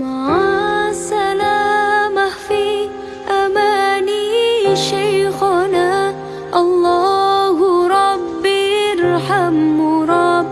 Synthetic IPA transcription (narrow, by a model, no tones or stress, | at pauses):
maʕasalaːmafi | ʔamaːniʃajxana | ʔɑlˤːaːɦʊɾˤɑbːɪɾˤħamɾˤɑb